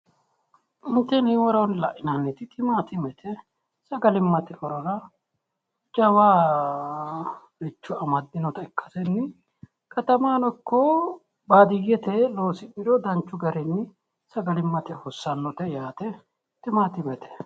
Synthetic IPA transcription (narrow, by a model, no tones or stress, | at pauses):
ɪnt̪ːɛnhɪwɔɾɐwnlɐʔɪnanːɛt̪ɪt̪ʰʼɪmaːt̪ɪmɛt̪ʰɛ | sɐɡɐlɪmːɐt̪ɛɔɾɔɾɐ | d͡ʒɐwaː | ɾɪt͡ʃːʊɐmɐd̪ːɪnɔt̪ɐɛkʼːɐ̥sɛnːɪ | kʰɐt̪ɐmaːnɔkːɔ | baːd̪ɪjɛt̪ɛlo̞ːsɪɗɪɾɔd̪ɐnt͡ʃːʊɡɐɾɛnːɪ | sɐɡɐlɪmːɐt̪ɛhɔsːɐnːɔt̪ɛjaːt̪ɛ | t̪ɪmaːt̪ɪmɛt̪ʰɛ̥